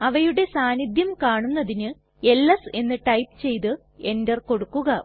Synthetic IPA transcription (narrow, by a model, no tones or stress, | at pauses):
ɐʋɐjuɽe̞saːnid̪ʱjɐmkaːɳunːɐðinɨ | e̞lːɐse̞nːɨʈɐjpɨt͡ɕe̞jt̪ɨ | e̞ndɐrko̞ɽukːuɣɐ